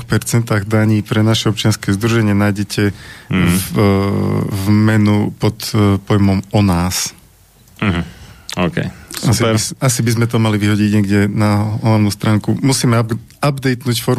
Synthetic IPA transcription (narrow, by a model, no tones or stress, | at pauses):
xpɛɾt͡sɛnt̪aːɣd̪aɲiːpɾɛnaʃɛɔpt͡ʃɪanskɛzd̪ɾuʒɛɲɪɛnajɟɛcʰɛ | vmɛnupɔt̪pɔjmɔmɔnaːs | ɦokɛ̰sasiɛasibizmɛt̪ɔmaliʋiɦɔɟiɟɲɛɡɟɛnaɦlaʋnuːst̪ɾaːŋkumusiːmɛabd̪ɛjt̪nuːcfɔɾ